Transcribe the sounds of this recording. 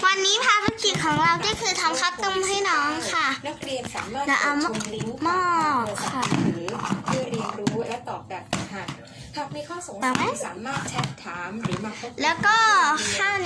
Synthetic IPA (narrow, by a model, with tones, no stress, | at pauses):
wa˧nːiː˦˥pʰaː˧t̪ʰɾa˦˥ki˨˩t̪̚kʰɔː˩˦ŋɾa˧wkɔː˥˩kʰɯː˧t̪ʰa˧mkʰa˦˥˩t̪ɤ˥˩mɦa˥˩jnɔː˦˥ŋkʰa˥˩na˦˥k̚ɾi˧ənsaː˩˦maː˥˩lɛ˦˥wʔa˧m˧ŋli˦˥ŋmaː˥˩kʰːa˥˩ɾɯː˩˦pʰɯ˥˩əɾi˧ənɾuː˦˥lɛ˦˥t̪ɔː˨˩k̚bɛː˨˩p̚a˧˩hʰa˧˥˩ | ha˨˩k̚miː˧kʰɔː˥˩so˩˦ŋɔː˨˩ka˦˥jaː˩˦maː˥˩t̪̚t͡ɕʰɛ˦˥t̪ʰːaː˩˦mɾɯː˩˦ma˧˩˥lɛː˦˥wkɔː˥˩kʰaː˥˩